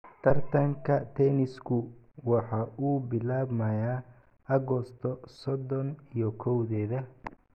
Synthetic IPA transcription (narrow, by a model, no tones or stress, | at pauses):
t̪ʰɐrt̪ʰɐŋkʰɐt̪ʰɛnɪskʰʊ | wɑħɑːʔuːbɪlaːbmɐjaː | ɐɣɔst̪ʰɔsɔd̪ɔnijɔkʰɔwðɛːðɐ